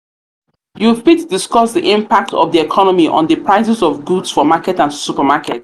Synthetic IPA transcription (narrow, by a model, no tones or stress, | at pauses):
jupitdɪskɔsdiʔɪ̃mpak̚tɔ̰vðiɛkʰɔnɔmiʔɔ̰̃nðəpʰɹaɪsɛsɔvɡudsfɔmakɛtãnsupamakɛ̰t̚